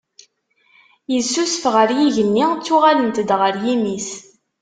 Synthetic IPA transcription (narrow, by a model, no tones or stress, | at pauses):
jəzsːusəfʁəɾjiʝənːit͡sːʊʁalənt̪əd̪ʁəɾjimis